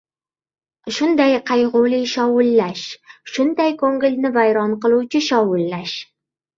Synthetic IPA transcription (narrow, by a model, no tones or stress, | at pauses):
ʃʊnd̪ajqʰɑjʁʊlɪjʃɒwʊlːaʃʃʊnd̪ajkʰoŋɡɪlʲnɪvajɾɒnqɨlˠuwt͡ʃʰɪʃɒwʊlːaʃ